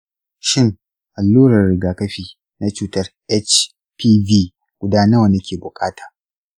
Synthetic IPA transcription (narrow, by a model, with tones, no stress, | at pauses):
ʃɪ˦ŋ | ʔa˨lːuː˦ɽɐ˨rɽɪ˨ɡaː˨kɐ˦ɸiː˨ | na˦t͡ʃuː˦tɐ˦rʔɛ˦t͡ʃ | pʰiː˦viː˦ | ɡ̥ʷʊ˦daː˦nɐ˦wa˨nɐ˦kʲeː˨bʊ˨kʼaː˦taː˨